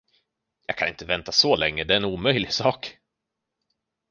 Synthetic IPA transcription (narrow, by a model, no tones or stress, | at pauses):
jɑ̰ːɡ̚kʰanɪnt̪əvɛnt̪asɔlɛŋːəd̪ɛæɾɛnuːmœjlɪɡsɑːk